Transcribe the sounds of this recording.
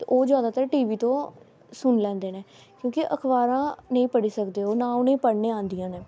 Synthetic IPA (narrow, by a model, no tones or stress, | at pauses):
t̪eʔoːd͡ʒjaːd̪aːt̪əɾʈiːʋiːt̪õː | sʊnlɛ̃ːnd̪eːneː | kjõːkɪʔəkʰbaːɾãːnəĩːpəɽiːsəkd̪eːɦoːnaːʊnẽːpəɽneːãːnd̪ijãːneː